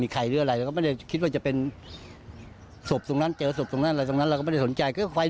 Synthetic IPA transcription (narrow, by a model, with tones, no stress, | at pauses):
miː˧kʰa˧jɾɯː˧˩˨ɾa˧jɾkɔ˥˩m˥˩ja˥˩kʰi˦˥t̪̚waː˥˩t͡ɕa˨˩pe˧n | so˨˩p̚t̪o˧ŋna˦˥˨nt͡ɕɤː˧so˨˩p̚t̪o˧ŋna˥˨ʔa˧jt̪o˧ŋa˦˥nɾwɔː˥˩m˥˨˩da˥˩snt͡ɕa˧jkʰɯ˧˥˩kʰwa˧j